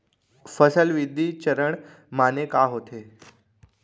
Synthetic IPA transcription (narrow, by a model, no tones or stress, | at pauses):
fəsəlʋid̪ʱːit͡ɕəɾəɳ | manekaɦot̪ʰe